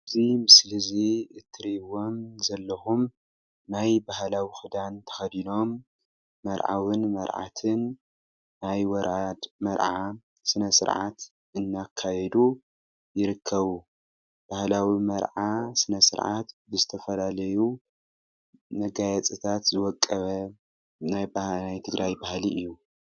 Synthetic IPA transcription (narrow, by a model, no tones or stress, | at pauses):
ɨzimɨslɨziɨt̪ʰːɨɾiwo̞mzɐlːɐxum | najbahlawixɨd̪ant̪ʰɐ̥xɐd̪ino̞mː | ɐɾʕa̰wɨnmɐɾʕa̰t̪ʰɨn | najwɐɾamɐɾʕa | sɨnɐsɨ̰ɾʕa̰t̪ | ʔɨnːakʰːajɛd̪u | jɪɾɨkʰːɐβu | b̥ahlawimɐɾʕasɨnɐsɨ̰ɾʕa̰t̪bɨzɨt̪ʰɐfɐlalɐju | nɐɡajɐt͡sʼɨt̪ʰat̪zɨwɔkʼːɐβɐ | najbnajt̪ʰɨɡɾʔajbahliʔɨjːu